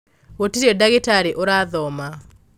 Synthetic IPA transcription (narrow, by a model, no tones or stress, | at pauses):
otiɾedaɣɪtaɾiʔoɾaðɔma